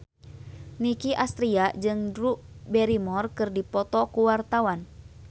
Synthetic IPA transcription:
nikiʔast̪ɾiaʔd͡ʒɨŋdɾuʔbɛɾimɔrkɨrdipɔt̪ɔkuwart̪awan

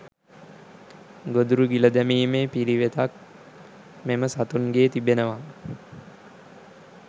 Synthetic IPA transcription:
ɡod̪uɾuɡiləd̪æmiːmeːpiɾiʋet̪ak̚ | meməsat̪unɡeːt̪ibenəʋa

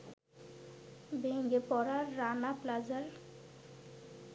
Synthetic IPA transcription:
beŋɡepɔɾaɾːanaplad͡ʑaɾ

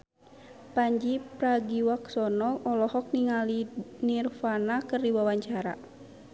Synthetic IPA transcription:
paɲd͡ʒipɾaɡiwaksɔnɔʔɔlɔhɔk̚niŋalinirfanakɨrdiwawaɲt͡ʃaɾa̰

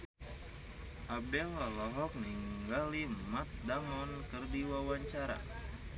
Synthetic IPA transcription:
ʔabɛlɔlɔɦɔk̚niŋɡalimat̪̚damɔnkərdiwawaɲt͡ʃaɾa̰

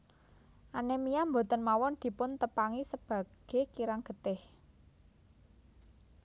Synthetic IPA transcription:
ʔanemijambo̤t̪ənmawɔnd̪̥i̤pʊnt̪əpaŋisəb̥ä̤ɡ̥e̤kiɾaŋɡ̥ə̤t̪ɪh

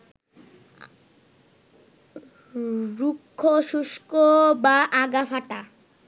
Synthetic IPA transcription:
ɾukʰːoʃuʃkobaʔaɡafaʈa

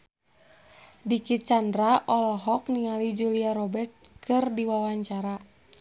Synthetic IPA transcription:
dikit̪̚t͡ʃandɾaʔɔlɔɦɔk̚niŋalid͡ʒuliaɾɔbɛrt̪̚kʰɨrdiwawaɲt͡ʃaɾa

